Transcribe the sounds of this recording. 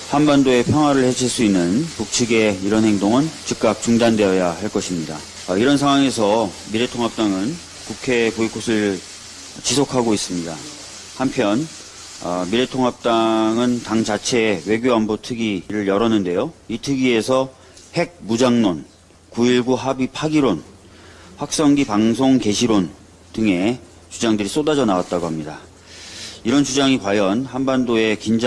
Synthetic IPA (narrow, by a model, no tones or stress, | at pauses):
hanbandoe̞pʰjʌŋɦwaɾɯɭhe̞d͡ʑʰiɭs͈uinːɯnpuk̚t͡ɕʰɯɡe̞iɾʌnhe̞ŋdoŋɯnt͡ɕik̚k͈ak̚t͡ɕuŋdande̞jʌjahaɭk͈ʌɕʰimɲida | iɾʌnsʰaŋwaŋe̞sʰʌ | miɾe̞tʰoŋɦap̚t͈aŋɯn | kukʰe̞poikʰosʰɯɭ | t͡ɕisʰokʰaɡois͈ɯmɲida | hampʰjʌn | miɾe̞tʰoŋɦap̚t͈aŋɯntaŋt͡ɕat͡ɕʰe̞we̞ɡjoambotʰɯɡiɾɯɭjʌɾʌnɯnde̞joitʰɯɡie̞sʰʌ | he̞ɡ̚mud͡ʑaŋnon | kuiɭɡuɦabipʰaɡiɾon | ɸwak̚s͈ʌŋɡipaŋs̬ʰoŋke̞ɕʰiɾon | tɯŋe̞ | t͡ɕud͡ʑaŋdɯɾis͈odad͡ʑʌnawat̚t͈aɡoɦamɲida | iɾʌnt͡ɕud͡ʑaŋikwajʌnhanbandoe̞kind͡ʑ